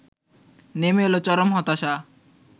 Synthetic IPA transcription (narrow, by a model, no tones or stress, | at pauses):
nemelot͡ɕɔɾomɦɔt̪aʃa